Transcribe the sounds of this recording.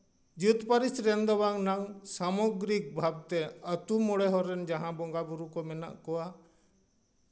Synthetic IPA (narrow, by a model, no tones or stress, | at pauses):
d͡ʒut̪pəɾisɾɛnd̪ɔwaŋnaŋsamɔɡɾik̚bʱab̚t̪ɛət̪umɔɽɛɦɔɾɛnd͡ʒaɦãbɔŋɡabuɾukɔmɛna̰ʔkɔwa